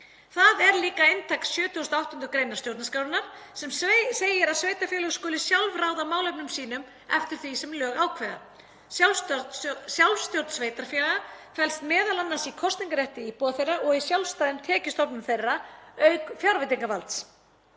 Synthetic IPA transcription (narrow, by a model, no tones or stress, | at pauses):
θaðɛɾliːkaejnt̪ʰajkssjʏːt̪ːʏsnawht̪ʏnt̪ʏkɾeːjnaɾ̥t̪jowɾt̪naskawɾɪnaɾ̥sɛmseːjɪɾaðsveːjt̪aɾfɛlɛɣskɔːlɪsjawlvraːwðamaːwlœpnʏmsiːnʏm | ɛft̪ɪɾ̥θisɛmlœːɣaːwkʰvɛːða̰ | l | sjalvst̪jowɾt̪n̥sveːjt̪aɾfjɛːlɛɣafɛlst̪mɛːðalanːasikʰɔst̪niŋkaɾjɛht̪ɪipɔːðaθejraʔɔɣisjawlv̥st̪ajðɪmt̪ʰɛːcɪst̪ɔpnʏmθejrːaœɥkfjawɾvɪt̪iŋkavalt̪s